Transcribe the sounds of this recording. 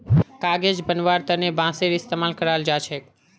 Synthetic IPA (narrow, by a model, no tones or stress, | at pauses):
kaɡed͡ʒbənʋaɾt̪ənebãseɾist̪emalkəɾald͡ʒat͡ʃʰe